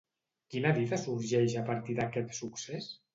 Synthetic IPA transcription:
kinaβiðasuɾʒɛʃapaɾt̪iðakɛt̪suksɛs

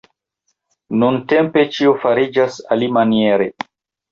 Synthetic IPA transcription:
nuntempet͡ʃiofaɾid͡ʒasa̰limanieɾe

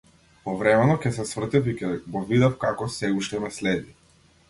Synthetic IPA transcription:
pɔvɾɛmɛnɔkʲɛsɛsvr̩t̪ɛfikʲɛɡɔvid̪afkakɔsɛuʃt̪ɛmɛslɛd̪i

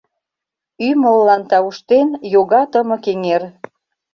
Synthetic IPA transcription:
yməlːɑnt̪ɑuʃt̪enjoɣɑt̪əmə̆keŋer

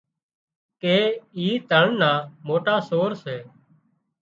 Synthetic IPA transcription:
keːiːt̪əɳnaːmoːʈaːsoːɾseː

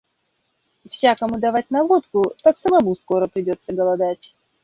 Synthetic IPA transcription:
fsʲakəmʊd̪ɐvat̚ʲnɐvot̪kʊt̪aksəmɐmusko̞ɾəpɾʲɪdʲo̞t̪sːəɡəlˠɐd̪atʲ

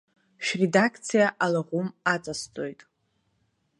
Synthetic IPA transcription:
ʃᶣredakʰt͡sʰijaʔalaʁʷʊmat͡sʼast͡sʼo̞jtʼ

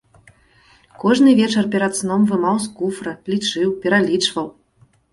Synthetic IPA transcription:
kɔʐnɨvʲet͡ʂɐrpʲɛɾɐt̪snɔmvɨmɑws̬kufrɐlʲit͡ʂɨwpʲɛɾalʲit͡ʂvɐw

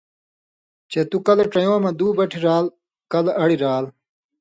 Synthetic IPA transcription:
t͡ɕet̪ukɐleʈ͡ʂɐjõːmɐd̪uːbɐʈʰiɾaːl | kɐlɐɽiɾaːl

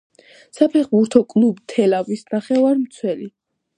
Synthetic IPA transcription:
sapʰɛχbuɾt̪ʰɔkʼlˠubt̪ʰɛlavisnaχɛvaɾmt̪sʰwɛli

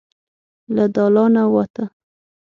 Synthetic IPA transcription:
lad̪ɑlɑnawɑt̪a

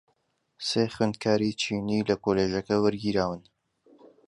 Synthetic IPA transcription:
seːχweːnd̪̚kʰaːɾit͡ʃʰiːniːlɐkoːleːʒɐkɐwɨɾɡiːɾaːwɨn

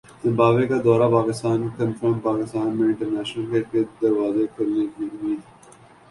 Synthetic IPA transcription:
z̥ɪ̃mbaːʋekad̪ɔːɾapaːkɪst̪aːnkə̃nfɾə̃ɳpaːkɪst̪aːnmẽɪ̃ɳʈəɾnɛːʃnəlkeked̪ɐɾʋaːzekɐɾnekiʊmiːd̪

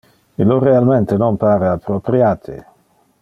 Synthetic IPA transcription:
iloɾealment̪enonpaːɾaapːɾopɾjaːt̪ʰḛ

